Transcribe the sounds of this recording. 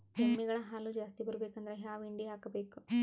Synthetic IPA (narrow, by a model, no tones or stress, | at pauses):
d͡ʒemːiɡɐɭɐɦaːlud͡ʒaːst̪ibɐɾubeːkɐnd̪ɐɾeɦaːʋiɳɖiɦaːkɐbeːku